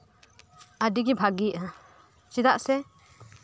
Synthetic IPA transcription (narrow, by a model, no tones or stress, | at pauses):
adiɡibʱaɡiʔa | t͡ʃid̪aʔsɛ